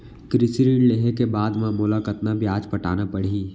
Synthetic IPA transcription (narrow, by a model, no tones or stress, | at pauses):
kɾɪsɾiːɖleɦekebaːd̪mãmʊlakət̪nabjaːd͡ʒpɐʈa̰ːnapɐɽ̤iː